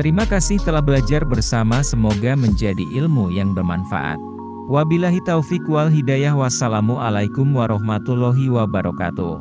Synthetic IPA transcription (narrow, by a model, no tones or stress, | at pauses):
t̪əɾimakasɪht̪əlahbəlad͡ʒarbərsamasəmoɡaməɲd͡ʒadiʔɪlmujaŋbərmanfa̰ʔa̰t̪̚ | wabilaɦit̪aufikwalɦidajahwasalamualajkumwaɾɔɦmat̪ulɔɦiwabaɾɔka̰t̪ṵ